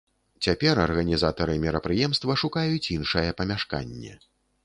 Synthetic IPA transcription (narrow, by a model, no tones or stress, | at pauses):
t͡sʲapʲɛɾɐrɣɐnʲizat̪ɐɾɨmʲɛɾɐpɾɨjɛmst̪vɐʂukajut͡sʲinʂɐjɛpɐmʲaʂka̰nʲːɛ̰